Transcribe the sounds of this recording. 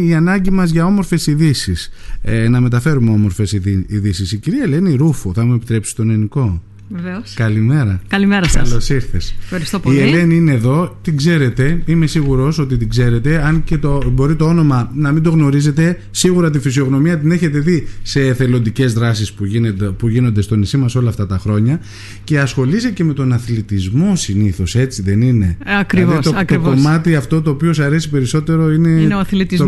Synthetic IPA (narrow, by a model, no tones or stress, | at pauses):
iɐnɐɲɟimɐzʝɐo̞mo̞ɾfe̞siðisisnɐme̞t̪̬ɐfe̞ɾumeo̞mo̞ɾfesiiðisisiciɾiɐele̞niɾufuθɐmue̞pit̪ɾe̞psi̥t̪o̞neniko̞ | veveoskɐlime̞ɾɐkɐlimeɾɐskɐlosiɾθesfxɐɾist̪opiele̞niineːðo̞t̪iɡze̞ɾe̞t̪e̞ime̞siɣuɾo̞so̞t̪it̪iɡze̞ɾe̞t̪e̞ɐnce̞t̪obo̞ɾit̪o̞o̞no̞mɐnɐmind̪o̞ɣno̞ɾize̞t̪e̞ | siɣuɾɐt̪̬ifisio̞ɣno̞miɐt̪ine̞çe̞t̪e̞ðise̞θe̞lo̞nd̪ice̞zðɾɐsispupuʝino̞nd̪est̪o̞nisimɐso̞lɐːft̪ɐt̪ɐxɾo̞ɲɐ | ce̞ɐsxo̞lisece̞me̞t̪o̞nɐθlit̪izmo̞siniθo̞se̞t͡siðe̞nine̞̰ɐkɾiest̪oɐt̪kommɐt̪iɐft̪o̞t̪o̞ːpio̞sɐɾe̞sipe̞ɾiso̞t̪e̞ɾo̞ine̞ɐθlit̪izo